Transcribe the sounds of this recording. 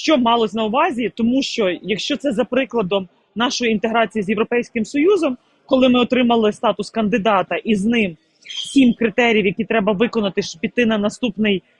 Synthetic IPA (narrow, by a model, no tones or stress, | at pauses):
ʃt͡ʃɔmɑlˠɔsʲnɐʊʋɑzʲit̪ɔmuʃt͡ʃɔjɐkʃt͡ʃɔt̪sɛzɐpɾɪklˠɐd̪ɔm | nɑʃɔjiint̪eɦɾɑt͡sʲijizʲjewɾɔpɛjsʲkɪmsɔjuzɔm | kɔlˠɪmɪɔt̪ɾɪmɐlˠɪst̪ɑt̪ʊskɐnd̪ɪd̪ɑt̪ɐʔiznɪm | sʲimkɾɪt̪ɛɾʲjiʋjɐkʲit̪ɾɛbɐʋɪkɔnɐt̪ɪʃpʲit̪ɪnɐnɐst̪upnɪj